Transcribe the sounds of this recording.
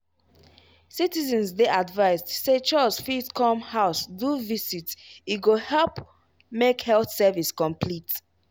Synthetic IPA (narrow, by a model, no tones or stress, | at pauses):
sitizɛ̃nsdeʔadvaɪzdset͡ʃɔsfitkʰɔ̃mhaʊsduvisitiɡohɛlp | mekhɛlθsɛviskɔ̃mpʰlit